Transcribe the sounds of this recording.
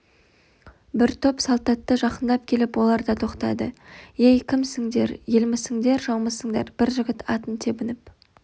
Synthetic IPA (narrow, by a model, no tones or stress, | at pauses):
bɪɾt̪ʰøpsɑlˠt̪ɑt̪ːəʒɑqənd̪ɑp̚kʲʰe̞lɪpwo̞lˠɑɾd̪ɑt̪ʰo̞qt̪ɑ̰d̪əejkʲʰɪmsɪŋd̪e̞̰ɾjelmɪsɪŋd̪e̞ɾʒɑwməsəŋd̪ɑɾb̥ɪɾʒɪɡʲɪt̪ʰɑt̪ənt̪ʰe̞bɪnɪp̚